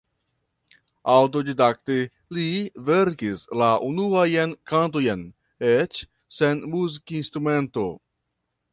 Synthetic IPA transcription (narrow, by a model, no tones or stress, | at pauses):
awt̬o̞didak̚te | liveɾkislaʔunuajenkant̬o̞jen | et͡ʃ | se̞nmuzikinst̪ɾume̞nto̞